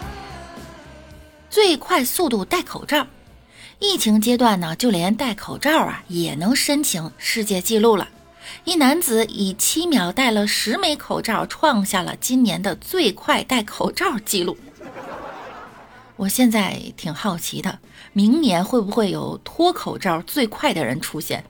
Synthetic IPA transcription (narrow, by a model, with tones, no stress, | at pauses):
t͡swe˥˧ɪkʰwa˥˧ɪsu˥˧t̪u˥˧t̪a˥˩ɪkʰo̰˨˩ʊʈ͡ʂɑ˥˩ʊ | i˥˩t͡ɕʰi˧˥ŋt͡ɕjɛ˥t̪wa˥˩nə˩t͡ɕjo˥˩ʊljɛ˧˥nt̪a˥˩ɪkʰo˨˩ʊʈ͡ʂɑ˥˩ʊɐ̰˩jɛ˨˩nɤ˧˥ŋʂə˥nt͡ɕʰi˧˥ŋʂɻ̩˥˧t͡ɕjɛ˥˧t͡ɕi˥˧lu˥˩lə̰˩ | i˥˩na˧˥nt͡sɹ̩˨˩˦i˨˩t͡ɕʰi˥mjɑ˨˩ʊt̪a˥˩ɪlə˩ʂɻ̩˧˥me˧˥ɪkʰo˨˩ʊʈ͡ʂɑ˥˩ʊʈ͡ʂʰwɑ˥˧ŋɕja˥˩lə̰˩t͡ɕi˥nnjɛ˧˥nd̪ə˧t͡swe˥˧ɪkʰwa˥˧ɪt̪a˥˩ɪkʰo˨˩ʊʈ͡ʂɑ˥˩ʊt͡ɕi˥˧lu˥˩ | wɔ˨˩ɕjɛ˥˧nt͡sa˥˩ɪt̪ʰi˨˩ŋxɑ˥˩ʊt͡ɕʰi˧˥d̪ə˧ | mi˧˥ŋnjɛ˧˥nxwe˥˩ɪbu˧˥xwe˥˩ɪjo̰˨˩ʊt̪ʰwɔ˥kʰo˨˩ʊʈ͡ʂɑ˥˧ʊt͡swe˥˧ɪkʰwa˥˩ɪd̪ə˩ɻə̰˧˥nʈ͡ʂʰu˥ɕjɛ̰˥˩n